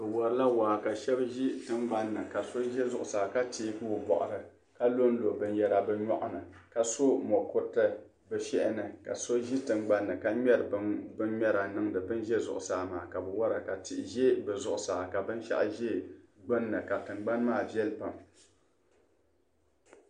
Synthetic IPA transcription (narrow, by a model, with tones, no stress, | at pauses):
bɨ˨wɔ˨ɾɨ˦la˦waː˨ka˨ʃɛ˦bʒi˦tɨ˦ŋ͡mɡ͡ba˦nːɨ˨ka˨so˦ʒɛ˦zʊ˦ʔʊ˨saː˨ka˦ti˦kɨ˦wo˨bɔ̰˨ʔʊ˨ɾɨ˨ | ka˦lo˦n˦lo˨bɨ˦n˦jɛ˦ɾa˦bɨ˦ɲɔ̰˦ʔʊ˦nɨ˨ka˨so˦mɔ˨kʊ˦tɨ˦ | bɛ˨ʃɛ˦ʔɪ˦nɨ˨ka̰˨so˦ʒi˦tɨ˨ŋ͡mɡ͡ba˦nːɨ˨ka˦ɲɛ˦ɾɨ˨bbɨ˦nɲɛ˦ɾa˨nɨ˦ŋdɨ˨bɨ˦nʒɛ˦zʊ̰˨ʔʊ˨saː˨˦ma̰ː˨ka˨bɨ˨wa˦ɾa˨ka˨ti˨ʔʒe˦bɨ˨zʊ˨ʔʊ˨saː˨ka˨bɨ˦nʃa̰˦ʔʒɛ˦ɡ͡bɨ˦nːɨ˨ka˨tɨ˨mɡ͡ba˦nmaː˦˨bjɛ˦lpa˨m